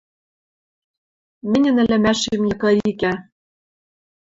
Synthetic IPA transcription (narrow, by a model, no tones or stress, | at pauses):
mɘ̆nʲɘ̆nɘ̆læmæʃemjɤ̆kɑɾiikæ